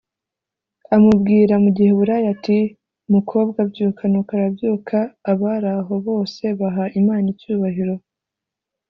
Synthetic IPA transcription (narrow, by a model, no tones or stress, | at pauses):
amubɡiːɾamuɟihe̞βuɾaːjati | mukʰo̞ːbɡabɟuːkʰanokaɾabjuːkʰaːβaɾaɦo̞βo̞ːse̞βaɦaʔimaːnicuːβaɦiɾo̞